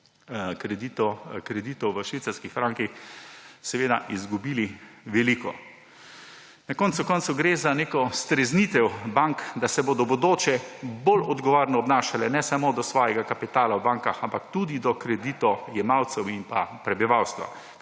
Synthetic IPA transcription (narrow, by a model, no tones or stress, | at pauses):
kɾɛd̪it̪ɔkɾɛd̪iːt̪ɔwʋəʃʋiːt̪saɾskixfɾaŋkix | sɛʋeːd̪a̰ʔizɡubiːliʋɛliːkɔ̰ | nakɔnt̪sukɔnt̪suɡɾezaneːkɔst̪ɾɛznit̪ɛwbaŋkd̪asɛboːd̪ɔbod̪oːt͡ʃɛbolɔd̪ɡɔʋoɾnɔːbnaːʃalɛnɛsamod̪ɔsʋɔːjɛɡakapit̪aːlawbaŋkaxampakt̪ud̪id̪ɔkɾɛd̪it̪ɔjɛmawt̪sɛwimpa̰pɾɛbiʋawst̪ʋa̰